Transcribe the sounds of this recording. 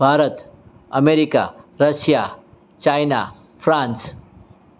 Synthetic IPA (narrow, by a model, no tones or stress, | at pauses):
bʱaːɾət̪ | ɐmeɾika̰ɾəsja | t͡ʃajna̰ | pʰɾãːns